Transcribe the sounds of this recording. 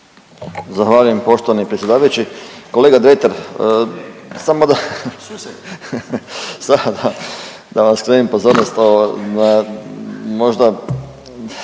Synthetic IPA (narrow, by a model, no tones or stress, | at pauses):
zaxʋaːʎuje̞mpo̞ʃt̪oʋanipɾet͡ssʲje̞d̪aːʋajut͡ʃiko̞leɡad̪ɾet̪eɾ | samod̪a | saod̪a | d̪aʋaskɾenimpo̞zoːɾnost̪ona | mo̞ʒd̪a